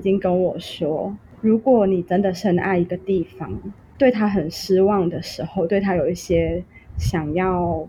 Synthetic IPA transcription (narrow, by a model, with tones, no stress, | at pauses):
t͡ɕi˦˥ŋkə˦nwɔ˨˩ʂwɔ˥ | ɻu˨˧˥kwɔ˨˩ni˨˩ʈ͡ʂə˦nd̪ə˨ʂ̩˥˩hə˨˩na˥˩ɪi˧˥ɡə˨t̪i˥˩fɑ̰˦ŋ | t̪we˥˩ɪt̪ʰa˦˥ɦə˨˩nʂ̩˥wɑ˥˩ŋd̪ə˩ʂɻ̩˧˥xo˥˧ʊt̪we˥˩ɪt̪ʰa˥jo˨˩ʊi˥˩ɕjɛ˥ | ɕjɑ˨˩ŋjɑ˥˩ʊ